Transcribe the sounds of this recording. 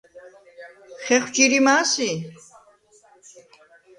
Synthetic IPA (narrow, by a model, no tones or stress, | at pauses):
χɛχʷwt͡ʃiɾimaːsi